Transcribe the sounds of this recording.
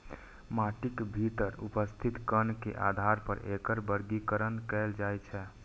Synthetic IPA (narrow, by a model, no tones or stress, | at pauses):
maʈikbʱit̪əɾupəst̪ʰit̪kənkḛʔa̰d̪ʱaɾpəɾekəɾbəɾɡikəɾənkɛld͡ʒajt͡ʃʰɛ